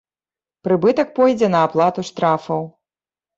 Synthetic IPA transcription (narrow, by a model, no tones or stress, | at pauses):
pɾɨbɨt̪ɐk̚pɔjd͡zʲɛnɐːplˠat̪uʂt̪ɾafɐw